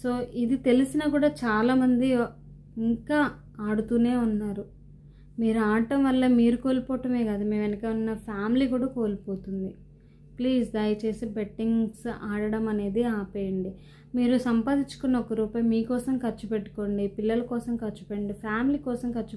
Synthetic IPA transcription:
so̞ːʔid̪it̪e̞lisinɐkuːɽaːt͡ʃaːlaːmɐnd̪i | iŋkaː | aːɽut̪uːne̞ːunːaːɾu | miːɾuaːʈɐmʋɐlːɐmiːɾuko̞ːlipɔːʈɐme̞ːɡaːd̪ume̞ːmʋɐnɐkeːunːɐpʰaːmiliːkuːɽaːko̞ːlipoːt̪und̪i | pliːsd̪aːjɐt͡ʃe̞ːsibeʈːiŋsaːɽɐɽɐmɐne̞ːd̪iaːpeːjɐɳɖi | miːɾusɐmpaːd̪it͡ʃu̥kunːɐɔkɐɾuːpɐjmiːkɔːsɐmkɐt͡ʃːupeʈːu̥ko̞ːɳɖipilːɐlɐkɔːsɐmkɐt͡ʃːu̥peɐɳɖipʰaːmiliːkɔːsɐmkɐt͡ʃːu

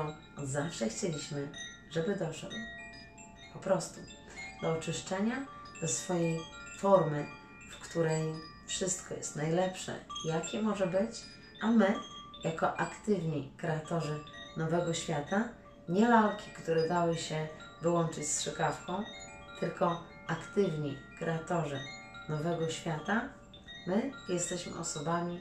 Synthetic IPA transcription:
zafʂɛxt͡ɕelʲiɕmɘ | ʐɛbɘd̪ɔʂ | pɔpɾɔst̪u | d̪̥ɔɔt͡ʂɘʂt͡ʂɛɲa | d̪̥ɔsfɔjɛjfɔɾmɘ | fkt̪uɾɛj | fʂɘst̪kʰɔjɛ̰st̪najlɛpʂɛ̰ijakʲɛmɔʐɛbɘt͡ɕ | ʔamɘjakɔʔakt̪ɘvɲikɾɛat̪ɔʐɘnɔvɛɡɔɕfʲjat̪a | ɲɛmaɾkʲikt̪uɾɛd̪awɘɕɛ | vɘwɔnt͡ʂɘt͡ɕsʂɛkafkɔ̃w̃ | t̪ɘlkɔ | akt̪ɘvɲi | kɾɛat̪ɔʐɨ | nɔvɛɡɔɕfʲjat̪a | mɘjɛst̪ɛɕmɘ̰ʔɔsɔbamʲi

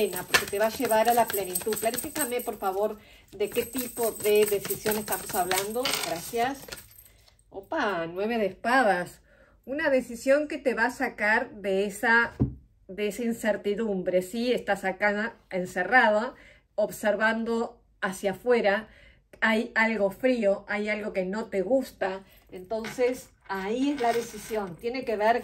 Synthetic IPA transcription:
enapo̞ɾket̪e̞βaʒe̞βaɾalaplenit̪uðklaɾesit̪amepo̞ɾfaβo̞ɾðeket̪ipo̞ðeðe̞sisjo̞nest̪amosaβland̪o̞ɣɾasjas | opanwe̞β̞eðespaðas | unaðe̞sisjo̞ŋket̪eβasakaɾðeesa | ðeesainseɾt̪iðumbɾe̞siest̪asakaenserað̞a | oβseɾβand̪o̞ | asjafwe̞ɾa | ajalɣo̞fɾio̞ʔajalɣo̞ke̞no̞t̪e̞ɣust̪a | ent̪o̞nses | aiezlaðe̞sisjo̞nt̪je̞ne̞keβeɾ

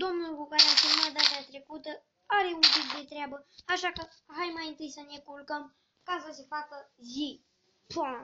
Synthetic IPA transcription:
d̪omnulkukaɾasemud̪at̪at̪ɾekut̪ə | aɾeunk̪ik̪d̪et̪ɾjabəaʃakə | ɦajmajint̪ɨjsənekulkəm | kasəsefakəzi | pa

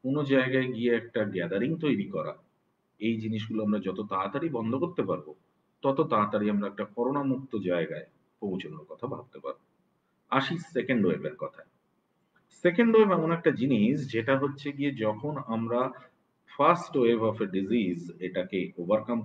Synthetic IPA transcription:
onod͡ʑaeɡaeɡieɛk̚ʈaɡɛd̪aɾiŋt̪ojɾikɔɾa̰ | ejd͡ʑiniʃɡuloamɾad͡ʑɔt̪ot̪at̪aɾibɔnd̪ʱokoɾt̪epaɾbo | t̪ɔt̪ot̪at̪aɾiamɾaɛk̚ʈakɔɾonamuk̚t̪od͡ʑaeɡae | põwt͡ɕʰonoɾkɔt̪ʰabʱa̰b̚t̪epa̰ɾbo | aʃisekeɳɖoḛbeɾkɔt̪ʰa | sekeɳɖoebɛmonɛk̚ʈad͡ʑiniʃd͡ʑeʈaɦotːɕʰeɡied͡ʑɔkʰonamɾa | fasʈwebɔfeɖizizeʈakeobaɾkam

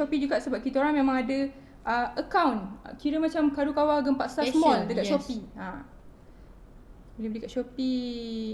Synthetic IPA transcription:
opid͡ʒuɡaʔsəbap̚kit̪oɾaŋmẽmãŋadə | ʔəəkawnkiɾəmãt͡ʃamkaɾukawaɡəmpaʔsasmɔldəkatʃopia | bolehbəlikaʔʃopi

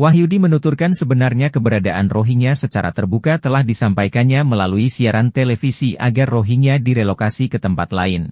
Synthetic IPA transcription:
waɦiudimənut̪urkansəbənarɲakəbəɾadaʔanroɦiŋasət͡ʃaɾa̰t̪ərbukat̪əlahdisampajkanɲaməlaluisiaɾant̪elefisiʔa̰ɡarːoɦinadiɾelokasikət̪əmpat̪laɪn

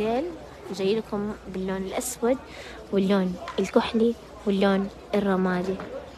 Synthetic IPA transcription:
eːl | nd͡ʒajːɪlkʊmbɪlːoːnɪlʔaswad̪̚ | wɪlːoːnɪlkʊħli | wɪlːoːn | ɪrˤːɑmaːd̪i

